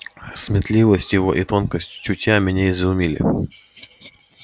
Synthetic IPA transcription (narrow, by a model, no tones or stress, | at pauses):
smʲɪt̪lʲivəsʲtʲjɪvo̰ʔit̪onkəsʲtʲt͡ɕʊtʲjamʲɪnʲeɪzʊmʲilʲɪ̰